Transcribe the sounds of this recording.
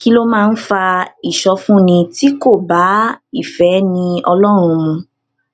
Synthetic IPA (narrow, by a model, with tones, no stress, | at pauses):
ki˦lo˦mãː˦˧n̩˦fa˧i˨ʃɔ˧fũ˦nĩ˧ti˨˦ko˦˨ba˨˦i˦˨fɛ˨˦nĩ˧ɔ˧lɔ˦ɾ̃ũ˧mũ˧